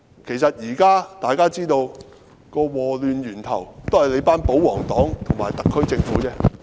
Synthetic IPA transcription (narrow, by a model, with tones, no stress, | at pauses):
kʰe˨˩jsɐ˨t̚jiː˨˩kaː˥t̪aː˨jkaː˥t͡siː˥t̪o˧w | kɔː˧wɔː˨˩lyː˨nɥyː˨˩nt̪ʰɐ̰˨˩wt̪o˥whɐ˨jle˨˧˥jpaː˥npo˨˥wɔː˨˩ŋt̪ɔː˨˥ŋt̪ʰʊ˨˩ŋmaː˨˩jt̪ɐ˨kʰːɵ˥ɥt͡sɪ˧ŋfuː˨˥t͡sɛː˥